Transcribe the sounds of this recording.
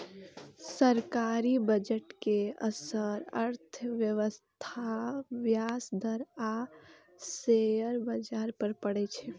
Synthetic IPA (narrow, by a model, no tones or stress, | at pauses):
səɾkaɾibəd͡ʒəʈkeəsəɾəɾt̪ʰʋjəʋəst̪ʰaʋjasd̪əɾa | sejəɾbəd͡ʒaɾpəɾpəɽɛt͡ʃʰɛ